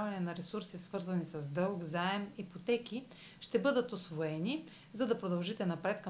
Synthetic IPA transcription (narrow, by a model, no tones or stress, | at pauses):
vɐnɛnɐɾɛsuɾsisvɤɾzɐnisɐzd̪ɤlˠkzaɛmipot̪ɛk̟i | ʃt̪ɛbɤd̪ət̪osvoɛni | zɐd̪ɐpɾod̪ɐlˠʒit̪ɛnɐpɾɛt̪̚k